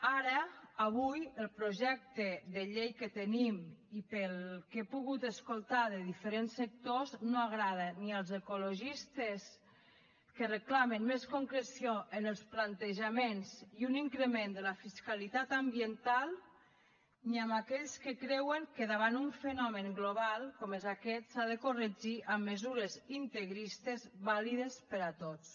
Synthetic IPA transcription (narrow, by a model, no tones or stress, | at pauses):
aɾəaβujəlˠpɾoʒɛk̚t̪əðəʎejkət̪ənimipəlˠkepuɣut̪əskulˠt̪aðəðifəɾensːek̚t̪oznoaɣɾaðəniəlˠzəkuloʒist̪əs | kərəklamənmeskoŋkɾesioʔənəlˠsplant̪eʒamenziuniŋkɾəmend̪əlafiskalit̪at̪ambiənt̪alˠ | niamakɛʎskəkɾɛwəŋkəðaβanuɱfənɔməŋɡloβalˠkomezakɛt̪saðəkorəd͡ʒiʔamːəzuɾezint̪əɣɾist̪ezβaliðespəɾat̪ot͡s